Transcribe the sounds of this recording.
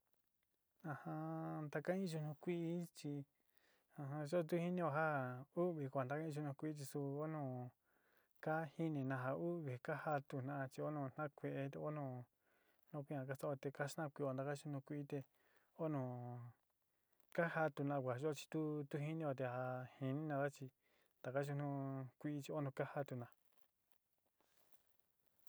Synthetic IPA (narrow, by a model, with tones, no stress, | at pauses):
ã˧hã˧nd̪a˧kã˦ĩ˦ʒu˧nũ˧kʷi˦ʔːt͡ʃi˧ | ã˧ɦã˧ʒo˦˧t̪̬u˦hi˦nĩ˦˧o˧ɦa˦u˦βi˨kʷa˨nd̪a˦ka˦ĩ˧ʒu˧nũ˧kʷi˦i˦t͡ʃi˧su˧o˦nũ˧˨ | ka˦hi˦nĩ˧˨nã˧ɦa˧u˦βi˨ka˦ha˧t̪u˧nã˦˧t͡ʃi˧o˦nõ˧˨n̥nã˦kʷe˧e˧t̪e˧o˦nũː˧ | nõ˧kʷi˦ã˧ka˦t̪a˦o˧t̪e˧ka˦ʃnã˦˨˧kʷi˧˨o˧nd̪a˧ka˦ʃu˦nũ˧kʷi˦ʔːt̪e˧ | o˦nõ˧˨ | ka˦ha˧t̪u˧nã˧kʷa˨˧ʒo˦˧t͡ʃi̥˧t̪u˦t̪u˦hi˦nĩ˧a˧t̪̬e˧ha˧hi˧nĩ˦nã˧ða˦t͡ʃi˧ | nd̪̥a˨ka˦ʃu˧nũ˧kʷi˧˦t͡ʃi˧o˦nũ˧ka˦ha˧t̪u˧nã˧